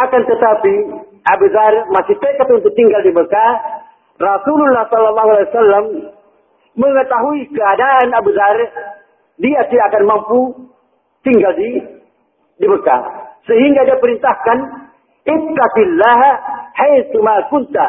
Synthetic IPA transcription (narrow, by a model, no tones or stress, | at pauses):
ʔakant̪ət̪api | ʔabuzarmasɪht̪ekat̪unt̪ʊk̚t̪iŋɡaldiməka | rasululːahsɔlːalːɑɦualiwasalːamː | əŋət̪aɦuikəadaʔːnabuzar | diasiakanmampu | t̪iŋɡaldi | diməka̰səɦiŋɡadiapəɾint̪ahkan | ɪt̪ːaqilːaɦhajθumakunt̪a